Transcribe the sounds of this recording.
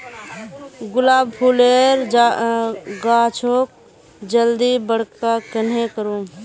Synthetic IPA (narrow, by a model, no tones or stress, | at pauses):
ɡʊlaːbpʰuleːɾd͡ʒ | ɡaːt͡ʃʰoːk̚ | d͡ʒəld̪ibəɽ̤kakənɦẽkəɾo